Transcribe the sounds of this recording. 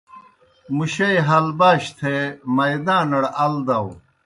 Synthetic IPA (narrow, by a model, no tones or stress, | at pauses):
muɕɐjɦɐlbaːɕt̪ʰemɐjd̪ãːnɐɽɐld̪ɐw